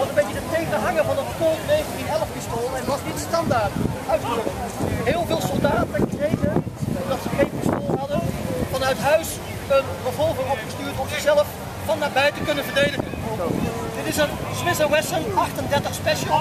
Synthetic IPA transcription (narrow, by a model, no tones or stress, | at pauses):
ʋɑtənmbejtjədətːejχənɦɑŋəvɑnətkɔlˠtnejχəntinɛləfpɪstoːlˠɛnʋɑsnitənstɑndaːtœɥtːəə | ɦɪːlˠvɪːlˠsəlˠdaːtəkrejtəɔmdɑtsəχejnpistoːlˠɦɑdəfɑnœɥtɦœɥs | ənrəvɔlˠvəŋɔpχəstyːɹtɔmzɪχsɛləf | fɑnːaːɹbɛjtəkɵnənvəɹdejdəχən | dɪtɪsən | smɪsəwɛsənʔɑχtəndɛɹtəχspɛʃəlˠ